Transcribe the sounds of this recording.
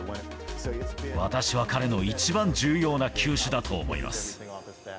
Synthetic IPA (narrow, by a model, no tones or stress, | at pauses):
βat̪aɕiβakaɾe̞no̞it͡ɕibãɲ̟d͡ʑɨːjo̞ːnakʲʰɨːɕɨd̪at̪ʰoːmo̞̰ḭmʔa̰sɨ̥